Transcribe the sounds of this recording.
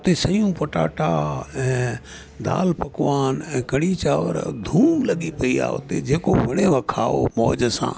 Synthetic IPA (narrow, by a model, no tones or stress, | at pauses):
ʊt̪eːsəjũːpəʈa̰ːʈaːɛ̃ː | d̪a̰ːlpɐkʋaːnɛ̃ːkəɽiːt͡ʃaːʋə̰ɾd̪ʱuːmləɠipɐiːa̰ːʊ̰t̪ḛd͡ʒeːkoʋəɽeʋəkʰaːo̰mɔːd͡ʒsã̰ː